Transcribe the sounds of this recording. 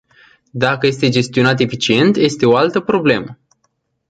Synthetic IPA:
d̪akəje̞st̪e̞d͡ʒe̞st̪io̞nat̪̬e̞fit͡ʃie̞nt̪je̞st̪e̞o̞alt̪əpɾo̞ble̞mə

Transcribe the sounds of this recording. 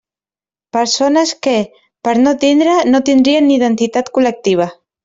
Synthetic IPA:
pəɾsonəske | pəɾnot̪ind̪ɾənot̪ind̪ɾiənːiðənt̪it̪at̪kulək̚t̪iβ̞ə

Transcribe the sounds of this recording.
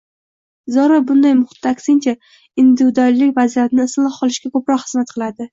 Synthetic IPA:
zɒɾabʊnd̪ajmʊχɪ̥t̪ʰːakʲsɪnt͡ʃʰa | ɪnd̪ɪvd̪ɒlːɪkʲvazijat̪ɪnɪːsnlˠɨqqʰɒlˠɪʃɡʲakɵpɾɒqhɨzmat̪̚qʰɨlˠad̪ɪ

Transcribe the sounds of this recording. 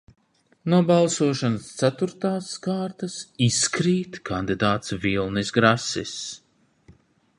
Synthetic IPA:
nuɔbalˠsuɔʃanast̪sæt̪uɾt̪aːskaːɾt̪asiskɾiːt̪kʰand̪id̪aːt̪svilˠnisɡɾasḭs

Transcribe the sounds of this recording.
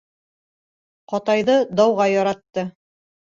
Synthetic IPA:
qɒt̪ɑjðɤd̪ɑwʁɑjɒɾɑt̪ːɤ

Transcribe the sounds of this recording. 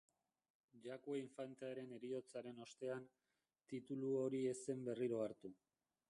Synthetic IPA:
ʝakoiɱfant̪eaɾe̞ne̞ɾio̞t͡saɾe̞no̞st̪e̞an | t̪it̪uluoɾie̞se̞mbe̞riɾo̞aɾt̪u

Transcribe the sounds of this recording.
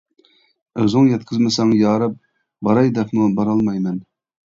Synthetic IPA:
øzɪŋjɛt̪̚qʰəzmɨsɑŋjɑːɾɨp̚ | bɑɾɑjd̪ɛpmubɑɾɑlˠmɑjmɛn

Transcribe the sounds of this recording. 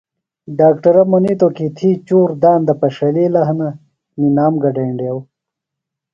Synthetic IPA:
ɖaːkʈɐɾɐmonit̪okit̪ʰiːt͡ɕuːɾd̪aːnd̪ɐpɐʂɐliːlɐɦɐnɐ | ninaːmɡɐɖeːɳɖjɐw

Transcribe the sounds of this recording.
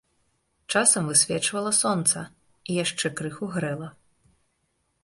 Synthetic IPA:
t͡ʂasɐmvɨsʲvʲɛt͡ʂvɐlˠɐsɔnt̪sɐ | ijaʂt͡ʂɛkɾɨxuɣɾɛlˠɐ

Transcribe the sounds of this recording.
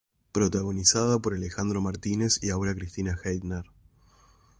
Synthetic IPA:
pɾo̞t̪aɣo̞nisað̞apo̞ɾalexand̪ɾo̞maɾt̪ine̞siaoɾakɾist̪inaxejd̪neɾ

